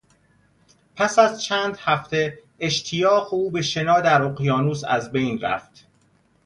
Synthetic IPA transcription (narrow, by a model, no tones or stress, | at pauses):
pʰæsæzt͡ʃʰæːnd̪hæft̪ʰe̞ | eʃt̪ʰijɒːɣeuːbe̞ʃe̞nɒːd̪æɾoqjɒːnuːsæ̰zbe̞jnɾæ̰ft̪